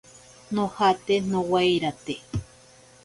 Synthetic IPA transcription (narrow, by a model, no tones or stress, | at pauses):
nohat̪enõwajɾat̪e